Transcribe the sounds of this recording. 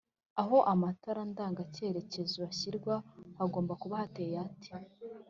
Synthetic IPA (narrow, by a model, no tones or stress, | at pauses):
aɦo̞ʔamataɾandaːŋɡace̞ːɾe̞ce̞zuβaɕiɾɡwahaɡoːmbakuβahate̞ːjati̥